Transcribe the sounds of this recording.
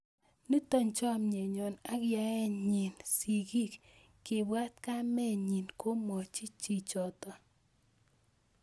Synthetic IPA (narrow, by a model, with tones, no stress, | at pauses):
nu˦t̪ɔ˦ɲt͡ʃɔ˦mɲe˨ɲɔ˨na˦ɡja˨ɛ˦ɲi˨nsi˨ɡi˦k | kːɪ˨bwa˦t̪ka˦mɛ˦ɲi˨nko˦mɔ˨t͡ʃi˦t͡ʃi˨t͡ʃɔ˨t̪ɔ˨